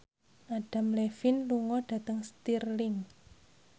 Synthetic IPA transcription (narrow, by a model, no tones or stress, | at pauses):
ʔaɖ̥a̤mlefinluŋɔɖ̥ä̤t̪əŋst̪irlɪŋ